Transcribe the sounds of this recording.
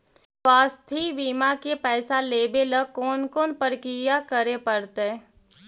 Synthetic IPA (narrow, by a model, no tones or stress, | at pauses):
saːst̪ʰibiːmakepɛːsaleːbeləkoːnkoːnpəɾkijakəɾepəɾt̪e